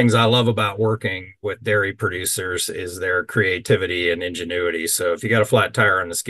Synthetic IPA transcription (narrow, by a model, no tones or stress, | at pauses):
ɪ̃ŋzaɪlʌvəbaʊʔ̚wɜ˞kɪ̃ŋ | wɪðdɛɹipʰɹ̥ɨdʉsə˞zɪzðə˞kʰɹ̥ieɪtʰɪvɨɾiɨ̃nɪ̃nd͡ʒɨnʉɨɾisoʊɨfjɨɡɑɾəflætʰaɪə˞ɨ̃nðɨsk